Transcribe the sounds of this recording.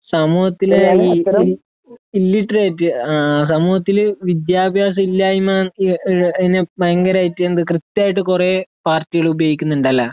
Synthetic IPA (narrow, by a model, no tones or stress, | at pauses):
sɐmuːhɐt̪ːil | ilːiʈːraːjtːɨs̬ɐmuːhɐt̪ːilʋid̪jaːbʱjaːs̬ɐilːaːimaːnɐinːemɐɐŋɡɐɾaːjitːɨend̪ɨkrɨt̪ːjaːjiʈːɨkurepaːrtːiɣɐɭubɐjikʲːunːuɳɖɐlːɐ